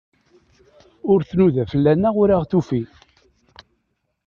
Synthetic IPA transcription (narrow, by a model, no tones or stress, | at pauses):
ʊɾθnuðæfəlːænːæʁʊɾaʁθufi